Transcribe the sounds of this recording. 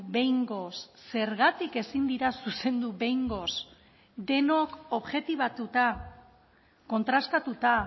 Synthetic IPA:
be̞jŋɡo̞sːe̞ɾɣat̪ike̞sind̪iɾasuse̞nd̪uβe̞jŋɡo̞s | d̪e̞no̞ko̞βʝe̞t̪iβat̪ut̪a | ko̞nt̪ɾast̪at̪ut̪a

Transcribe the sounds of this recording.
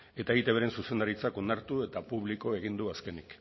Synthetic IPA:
e̞t̪aeɣit̪e̞βeɾe̞nsuse̞nd̪aɾit͡sako̞naɾt̪ue̞t̪apuβ̞liko̞e̞ɣ̞ind̪uaske̞nik

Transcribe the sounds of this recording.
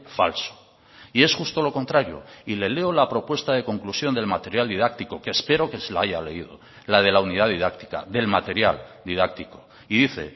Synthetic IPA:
fa̰lso̥ | ie̞sxust̪o̞lo̞ko̞nt̪ɾaɾjo̞̰ile̞le̞olapɾo̞pwe̞st̪að̞e̞ko̞ŋklusjo̞nd̪e̞lmat̪e̞ɾjald̪iðak̚t̪iko̞keːspe̞ɾo̞ke̞selaajale̞iðo̞ | lað̞e̞launið̞aðið̞akt̪i̥ka̰ðe̞lmat̪e̞ɾja̰ld̪iðak̚t̪iko̞ | iðiθe̞̰

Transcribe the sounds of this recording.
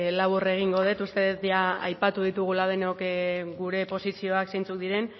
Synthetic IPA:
laβ̞ure̞ɣ̞iŋɡo̞ð̞e̞t̪ust̪e̞ðet̪jaa̰jpat̪uð̞it̪uɣ̞ulað̞e̞no̞kɡuɾe̞po̞sisio̞aksejnt͡suk̚d̪iɾe̞n

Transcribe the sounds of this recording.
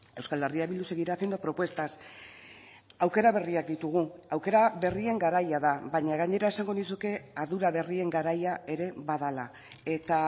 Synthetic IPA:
e̞wskald̪eriaβild̪use̞ɣiɾatend̪opɾo̞pwe̞st̪as | awke̞ɾaβe̞riak̚d̪it̪uɣ̞uawke̞ɾaβe̞rie̞ŋɡaɾajaðabaɲaɣaɲe̞ɾae̞saŋɡo̞nisuke̞aðuɾaβ̞e̞rie̞ŋɡaɾajae̞ɾe̞βað̞ala | e̞t̪a

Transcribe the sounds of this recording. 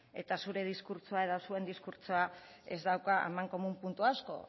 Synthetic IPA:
e̞̰t̪asuɾe̞ð̞iskuɾt͡soaeðasue̞nd̪iskuɾt͡soa | e̞zd̪awkaʔemaŋko̞mumpunt̪uasko̞̰

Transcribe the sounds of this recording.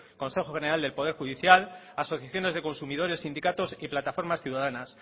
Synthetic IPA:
ko̞nse̞xoxene̞ɾald̪e̞lpo̞ð̞e̞ɾxuðiθjal | aso̞θjaθjo̞ne̞zðe̞ko̞nsumið̞o̞ɾe̞sːind̪ikat̪osiplat̪afo̞ɾmasθjuðaðanas

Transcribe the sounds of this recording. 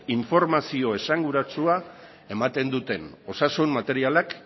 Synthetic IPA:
iɱfo̞ɾmasio̞e̞saŋɡuɾat͡sua | e̞mat̪e̞nd̪ut̪e̞no̞sasunmat̪e̞ɾialak

